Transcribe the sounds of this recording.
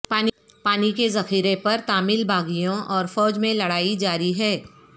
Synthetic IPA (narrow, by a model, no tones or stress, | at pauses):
paːn | paːnikezɐxiːɾepɐɾt̪aːmɪlbaːɡijõʔɔːɾfɔːd͡ʒmẽlɐɽaːid͡ʒaːɾiɦɛː